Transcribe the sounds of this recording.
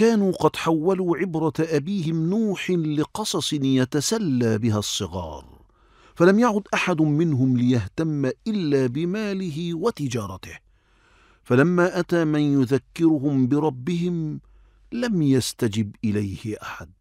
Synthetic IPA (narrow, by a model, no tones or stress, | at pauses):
kaːnuːqɑd̪ħawːaluːʕɪbɾˤɑt̪ʔabiːhɪmnuːħɪlɪqɑsˤɑsˤɪnjat̪asalːaːbɪɦasˤːɨɣɑ̰ːɾˤ | falamjaʕʊd̪ʔaħad̪mɪnɦʊmlɪjaht̪amːaʔɪlːaːbɪmaːlɪɦɪwat̪ɪd͡ʒɑːɾˤɑt̪ɪh | falamːaːʔat̪aːmanjʊðakːɪɾʊɦʊmbɪɾˤɑbːɪhɪm | lamjast̪ad͡ʒɪbʔɪlajhɪʔaħad̪̚